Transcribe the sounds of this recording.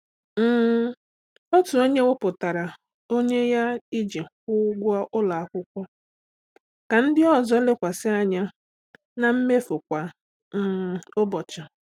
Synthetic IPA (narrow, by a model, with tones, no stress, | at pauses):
m̩˨ | ɔ˦tu˨o˦ɲe˦wʊ˦pʊ˨ta˨ɾa˨ | o˦ɲe˦ja˦i˦d͡ʒe˨kʷʊ˦ɡʷʊ˦a˦ʔʊ˦la˨a˦kʷʊ˦kʷɔ˦ | ka˨n̩˦dɪ˦ɔ˦zɔ˦lɪ˦kʷa˨sɪ˦a˨ɲa˦ | na˨m̩˦me˦fʊ˨kʷa˨˦˨ | o˦bɔ˨t͡ʃa˨